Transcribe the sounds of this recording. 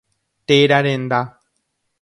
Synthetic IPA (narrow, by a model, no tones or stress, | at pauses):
t̪eɾaɾend̪a